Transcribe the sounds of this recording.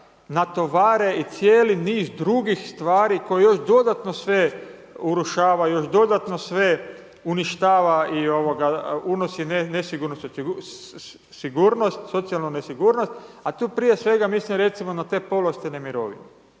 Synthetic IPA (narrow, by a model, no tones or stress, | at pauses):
nat̪o̞ʋaːɾe̞it̪sijeːliniːzd̪ɾuɡixst̪ʋaːɾiko̞jejo̞ʃd̪o̞d̪at̪no̞sʋe̞ | uɾuʃaːʋajo̞ʃd̪o̞d̪at̪no̞sʋe̞ | uniʃt̪aːʋaio̞ʋoɡaunosinenesiɡuɾnost̪oiɡu | siɡuɾno̞st̪so̞t̪sijalnunesiɡuːɾno̞st̪at̪uːpɾije̞sʋe̞ɡamislimɾe̞t̪simo̞nat̪e̞ːpo̞lˠost̪inemiɾo̞̰ːʋḭne